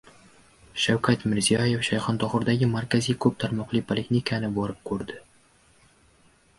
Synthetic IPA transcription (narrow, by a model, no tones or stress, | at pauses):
ʃawkʰat̪mɪɾzijaje̞fʃajχɒnt̪ʰɒχʊɾd̪aɡʲɪmaɾkʲazijkʰɵp̚t̪ʰaɾmɒqlˠipʰolʲeknʲikʰanɪbɒɾɪp̚kʰɵɾd̪ɪ